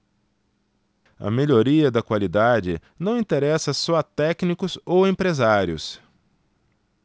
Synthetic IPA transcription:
ɐ̰meʎoɾiɐd̪ɐkwalid̪ad͡ʒɪ̰nɐ̃w̃ĩt̪eɾɛsɐsɔɐt̪ɛknikʊzowẽpɾezaɾjʊ̰s

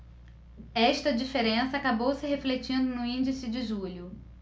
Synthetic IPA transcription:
ɛʃt̪ɐd͡ʒifeɾẽsɐaːkabowsɪɦeflet͡ʃĩnd̪ʊnʊĩnd͡ʒisɪd͡ʒɪʒuʎʊ

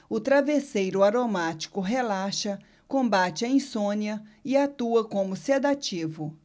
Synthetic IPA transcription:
ʊt̪ɾavesejɾʊaɾomat͡ʃi̥kʊɦelaʃɐ | kõmbat͡ʃɪɐĩsõniɐɪat̪uɐkõmʊsed̪at͡ʃivʊ

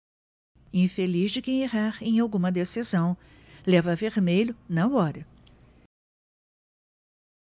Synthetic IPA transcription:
ĩfelizd͡ʒɪkẽj̃eɦaɾẽj̃awɡũmɐd̪esizɐ̃w̃ | lɛvɐveɾmeʎʊnɐɔɾɐ

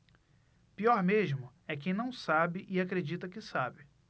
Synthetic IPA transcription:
piɔɾmeʒmʊ | ɛkẽj̃nɐ̃w̃sabɪʔɪakɾed͡ʒit̪ɐkɪsabɪ

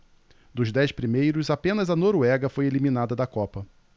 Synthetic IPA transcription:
d̪ʊzd̪ɛjspɾimejɾʊzapẽnɐzɐnoɾuɛɡɐfojelimĩnad̪ɐd̪ɐkɔpɐ

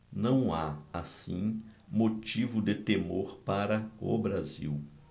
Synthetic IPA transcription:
nɐ̃w̃aasĩmot͡ʃivʊd̪ɪt̪emoɾpaɾɐʊ̰bɾazḭw

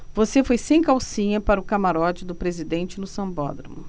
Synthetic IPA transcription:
vosefojsẽj̃kawsĩɲɐpaɾʊkamaɾɔd͡ʒɪd̪ʊpɾezid̪ẽnt͡ʃɪlʊsɐ̃bɔ̰d̪ɾɐ̰mʊ

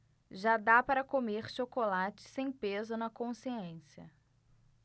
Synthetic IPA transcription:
ʒad̪apaɾɐkomeɾʃokolat͡ʃɪ̥sẽj̃pezʊnɐkõsiẽsjɐ

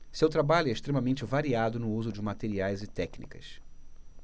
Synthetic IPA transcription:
sewt̪ɾabaʎʊɛɪʃt̪ɾemɐmẽnt͡ʃɪvaɾiad̪ʊnʊuzʊd͡ʒɪmat̪eɾiajzɪt̪ɛknḭkɐ̰s

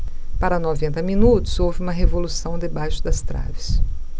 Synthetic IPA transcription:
paɾɐnɔvẽnt̪ɐmĩnut̪ʊ̥zowvɪũmɐɦevolusɐ̃w̃d̪ebajʃʊ̥d̪ɐst̪ɾa̰vɪs

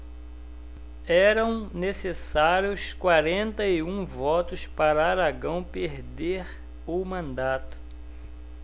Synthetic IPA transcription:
ɛɾɐ̃w̃nesesaɾjʊskwaɾẽnt̪ɐɪũvɔt̪ʊspaɾɐaɾaɡɐ̃w̃peɾd̪eɾ | ʊmɐ̃nd̪at̪ʊ̥

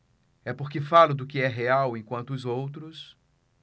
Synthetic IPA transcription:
ɛpoɾkɪfalʊd̪ʊkɪɛɦeawẽkwɐ̃nt̪ʊːzowt̪ɾʊs

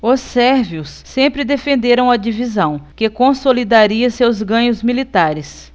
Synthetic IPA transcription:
ʊsɛɾviʊsːẽmpɾɪd̪efẽnd̪eɾɐ̃w̃ɐd͡ʒivizɐ̃w̃kɪkõsolid̪aɾiɐsewzɡɐ̃ɲʊzmilit̪aɾɪs

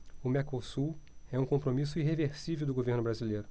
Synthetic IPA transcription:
ʊmɛkosuɛũkõmpɾomis̬ʊiɦeveɾsivewd̪ʊɡoveɾnʊbɾazilejɾʊ

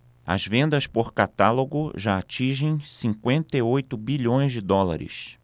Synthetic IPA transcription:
ɐ̰zvẽnd̪ɐspoɾkat̪aloɡʊʒaat͡ʃĩʒẽj̃sĩŋkwẽnt̪ɐiojt̪ʊbiʎõj̃zd͡ʒɪd̪ɔla̰ɾɪ̰s

